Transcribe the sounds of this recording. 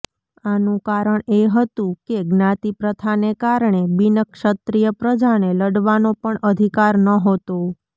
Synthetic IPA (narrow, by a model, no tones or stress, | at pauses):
anũkaɾəɳeɦət̪ũkeɡnãt̪ipɾət̪ʰanekaɾɳebinəkʃət̪ɾijəpɾəd͡ʒaneləɽʋanõpəɳəd̪ʱikaɾnəɦot̪o